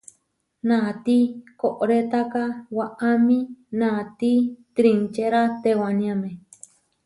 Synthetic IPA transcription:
nãt̪ikoʔoɾet̪akawaʔamĩnãt̪it̪ɾint͡ʃeɾat̪ewanĩãmẽ

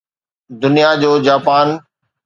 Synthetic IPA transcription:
d̪ʊnijad͡ʑoːd͡ʑaːpaːn

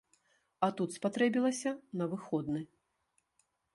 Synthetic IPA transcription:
ɐt̪ut̪spat̪ɾɛbʲilˠɐsʲɐnɐvɨxɔd̪nɨ

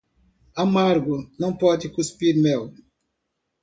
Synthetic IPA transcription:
amaɾɡunɐ̃mpɔtikuspidmɛl

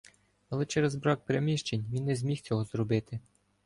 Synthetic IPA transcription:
ɐlˠɛt͡ʃɛɾɛzbɾɑk̚pɾemʲiʃt͡ʃenʲʋʲinːɛzʲmʲixt͡sʲɔɦɔzɾɔbɪt̪ɪ

